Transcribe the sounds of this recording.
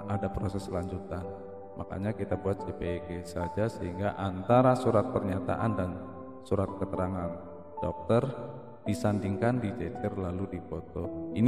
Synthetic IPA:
adapɾosɛslaɲd͡ʒut̪an | mʔa̰ka̰ɲakit̪abuat̪̚d͡ʒepeɡesad͡ʒasəɦiŋɡaʔant̪aɾasuɾat̪̚pərɲat̪a̰ʔandan | suɾat̪̚kət̪əɾaŋan | d̥ɔk̚t̪ər | d̥isandiŋkandid͡ʒet͡ʃɛrlaludifot̪ɔin

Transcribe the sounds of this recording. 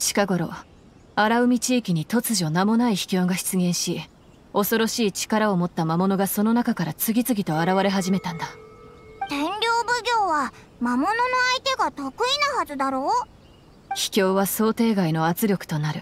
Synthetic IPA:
ɕi̥kaɡo̞ɾo̞̰ | aɾaɯ̟mʲit͡ɕiːkʲiɲ̟it̪o̞t͡sɨʑo̞namo̞naiçi̥kʲo̞ːɡaçi̥t͡sɨɡẽ̞ɰ̃ɕi | o̞so̞ɾo̞ɕiːt͡ɕi̥kaɾao̞mo̞t̪ːamamo̞no̞ɡaso̞no̞nakakaɾat͡sɨɡʲit͡sɨɡʲit̪o̞aɾaβaɾe̞ɦaʑime̞t̪ãnd̪a | t̪ẽ̞ɲɾʲo̞ːbɯ̟ɡʲo̞ːβa | mamo̞no̞no̞ait̪e̞ɡat̪o̞kɯ̟inahazɨd̪aɾoː | çi̥kʲo̞ːβaso̞ːt̪e̞ːɡaino̞at͡sɨɾʲo̞kɯ̟̥t̪o̞naɾɯ̟

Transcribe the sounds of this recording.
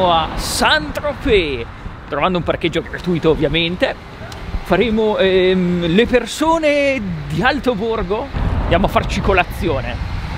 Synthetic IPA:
oasant̪ɾope | t̪ɾovand̪oumpark̟ed͡ʒːoɡɾat̪uːjt̪oːvːjament̪e | faɾeːmoɛlepersoːned̪ialt̪oborɡoand̪jaːmoafːart͡ʃikolat̪sːjoːne

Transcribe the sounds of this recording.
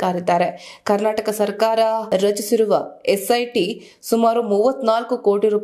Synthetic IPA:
aːɾid̪aːɾekɐɾnaːʈɐkɐsɐɾkaːɾɐɾɐt͡ʃisiɾuʋɐesɐjʈi | sumaːɾumuʋːɐt̪ːnaːlkuko̞ːʈiɾuːp

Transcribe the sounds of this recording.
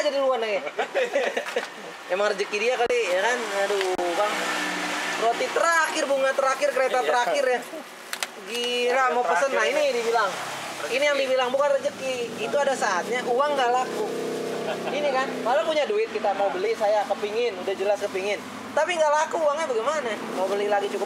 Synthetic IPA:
d͡ʒadiluanaa | emaŋrəd͡ʒəkidiakalijakanadubaŋ | ɾot̪it̪əɾakɪrbuŋat̪əɾakɪrkəɾet̪at̪əɾakɪrja | ɡilamaəsənːainidibilaŋinijaŋdibilaŋbukanrəd͡ʒəkiːt̪uadasaat̪̚ɲaʔuwaŋɡalaku | inikankalapuɲaduɪt̪̚kit̪amaubəlisajakəpiŋɪnudahd͡ʒəlaskəpiŋɪn | t̪apiŋɡalakuːaŋɲabaɡɛmanamaubəlilaɡit͡ʃukʊp̚

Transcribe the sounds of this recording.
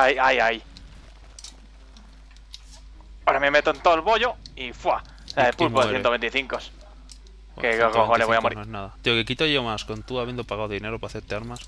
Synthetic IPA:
ajajaj | oɾamemet̪oent̪oelβoʎoifwa | laepulpoðeejet̪oent̪iθiŋkos | kekoxoleβojamoɾinoeznaðat̪iokekit̪aʝomaskont̪uaβend̪opaɣawðineɾopaθeɾt̪eaɾmas

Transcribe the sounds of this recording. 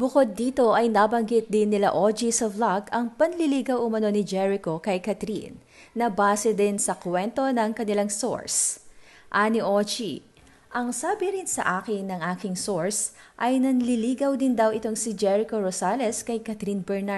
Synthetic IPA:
bʊkod̪̚ːiːt̪o̞ʔɐjnabɐŋɡɪt̪̚d̪ɪnːɪla̰ʔod͡ʒisɐvlaɡɐŋpɐnlɪliɡɐwʔʊmɐno̞nɪd͡ʒɛɹɪko̞kɐjkɐt̪ɾḭnː | ɐbaːsɛd̪ɪnsɐkwɛnt̪o̞nɐŋkɐnɪlaŋso̰ɹs | ʔaniʔot͡ʃi | ʔɐŋsaːbɪɾɪnsɐ̰ʔaːkɪŋnɐŋʔaːkɪŋso̞ɹsʔɐjnɐnlɪliːɡɐwd̪ɪnd̪ɐwɪt̪o̞ŋsɪd͡ʒɛɹɪko̞ɾosaːlɛskɐjkɐt̪ɾinbɛɹna

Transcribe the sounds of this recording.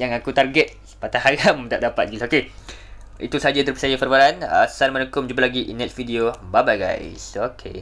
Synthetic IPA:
jaŋakut̪arɡɛt̪̚sə̥pat̪ahaɾamda̰ʔdapat̪̚ɡilaoke | ḭt̪usaad͡ʒad̪əɾpisajafərbaɾanə̰salmənəkʊmd͡ʒubalaɡiʔinɛtsfidiobabajɡa̰jsokʰḛ

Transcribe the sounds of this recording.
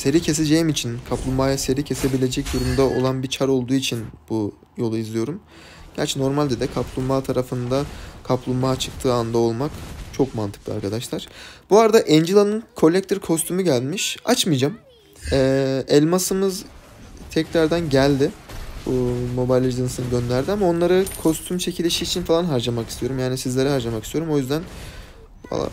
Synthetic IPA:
se̞ɾicʰe̞s̬ed͡ʒejimit͡ʃʰinkʰaplˠumaːjase̞ɾicʰe̞se̞bilʲe̞d͡ʒɛc̚d̪oɾumd̪ao̞̰lˠanbit͡ʃʰaɾo̞lˠd̪uːit͡ʃʰinb̥u | jo̞lˠuizlʲˠijo̞ɾum | ɟ̥æ̰ɾt͡ʃʰɛno̞ɾmalʲd̪ed̪ɛkʰaplˠummaːt̪ʰaɾafɯnd̪akʰaplˠummaːt͡ʃʰɯ̥k̚t̪ʰɯːand̪ao̞lˠmakt͡ʃʰo̞kmant̪ʰɯ̥k̪̚ˠia̰ɾkʰad̪aʃlˠaɾ̥b̥uaɾd̪aʔɛnd͡ʒilˠanɯnkʰo̞lʲɛk̚t̪ʰiɾkʰo̞st̪ʰymuɟælʲmiʃa̰t͡ʃmɯjd͡ʒam | ɛɛlʲmasɯmɯz | t̪ʰɛclaɾd̪ænɟælʲd̪ɪbumo̞bajlʲid̪ɯnsɯnɯɟø̞nlʲæɾd̪iamao̞nlˠaɾɯkʰo̞st̪ʰymt͡ʃʰecʰilʲeʃiːt͡ʃʰinfalˠanɦaɾd͡ʒamakist̪ʰijo̞ɾumjaːnisizlʲe̞ɾɛɦaɾd͡ʒamakist̪io̞ɾumo̞jyzd̪æn | ba̰lˠa̰

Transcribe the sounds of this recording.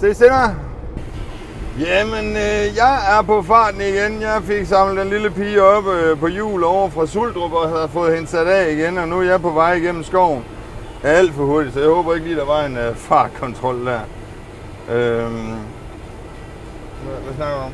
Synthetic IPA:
se̝seɡ̥ɐ | jæmenøjɑ̈ɪæɐpɒ̽fɑ̰̈ːd̥n̩iɡ̥enjɑ̈ɪfe̝ɡ̥sɑ̈m̰lə̥enliləpiːɒ̽b̥øpɒ̽jṵːlɒʊ̰ɐfʁɑ̈suld̥ʁob̥ɒ̽hæð̩ˠfɔ̽ːð̩ˠhe̝nsæɾ̥ɛ̰ːiɡ̥enɒ̽nuæɐjɑ̈ɪpʰɒ̽ʋɑ̈ɪ̰iɡ̥en̰m̩sɡ̥ɒʊ̰n̩ | ææl̰d̥fɒ̽ho̝ɐd̥id̥sɒ̽jɑ̈hɔ̽ːb̥ɐe̝ɡ̥əliːd̥ɑ̈ʋɑ̈e̝nfɑ̰̥̈ːkʰɒ̽nt͡sʰʁɒ̽l̰d̥æɐ̰ | ʔø | ʋæsnɑ̈ɡ̥əuɒ̽m

